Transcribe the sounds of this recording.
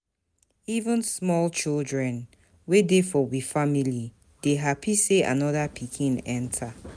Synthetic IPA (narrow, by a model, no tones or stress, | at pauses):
ivũnsmɔlt͡ʃildɹɛ̃n | wedefɔwifamili | d̥eɦapʰisea̰nɔðapʰikʰĩnɛ̃ntʰa